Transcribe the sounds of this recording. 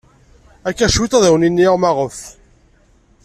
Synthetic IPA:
ækːæʃwit̪ˤæðæwninːiʁmæʁəf

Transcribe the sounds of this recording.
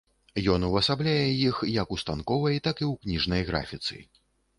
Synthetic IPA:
jɔnuwɐsablʲajɛjixjɐkust̪ankɔvɐjt̪akɨwknʲiʐnɐjɣɾa̰fʲit̪sɨ̰

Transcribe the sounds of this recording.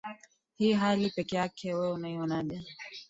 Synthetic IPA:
hiːɦalipɛkɛjakʰɛwɛunaiɔnaɗɛ

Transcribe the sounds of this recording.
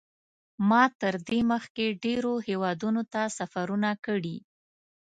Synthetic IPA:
mɑt̪əɾd̪eməxkeɖeɾohewɑd̪unot̪asafaɾunakəɽi

